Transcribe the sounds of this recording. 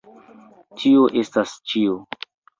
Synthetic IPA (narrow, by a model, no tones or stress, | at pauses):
tʰioʔe̞stast͡ʃio